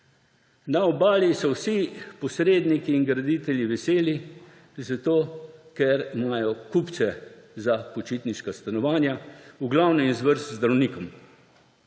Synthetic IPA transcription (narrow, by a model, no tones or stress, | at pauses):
naɔbaːlisɔwsipɔsɾeːd̪nikiːnɡɾad̪it̪ɛljiʋɛseːli | zat̪oːkɛɾimajɔkupt̪sɛzapɔt͡ʃit̪niʃkast̪anɔʋaːnjauɡlawnɛinzʋəɾst̪zd̪ɾawniːkɔm